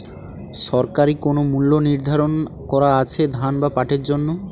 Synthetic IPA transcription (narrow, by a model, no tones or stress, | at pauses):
ʃɔɾkaɾikonomulːoniɾd̪ʱaɾon | kɔɾaat͡ɕʰed̪ʱanbapaʈeɾd͡ʑonːo